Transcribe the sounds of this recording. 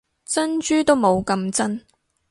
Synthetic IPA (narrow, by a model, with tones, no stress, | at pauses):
t͡sɐ˥nt͡ʃyː˥t̪o˥wmo˨˧wkɐ˧mt͡sɐ˥n